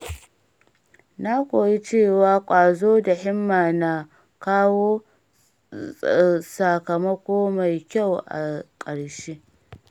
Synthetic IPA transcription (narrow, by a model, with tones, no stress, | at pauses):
na˦kʷoː˨ji˦t͡ʃeː˦˨waː˨˦kʷʼaː˨zoː˦da˨hɪ˦mːaː˨na˦ | kaː˦woː˦ | sa˨kɐ˨mɐ˦kʷoː˦ma˨jkʲa˦˨wʔa̰˨kʼɐ˨ɽʃeː˦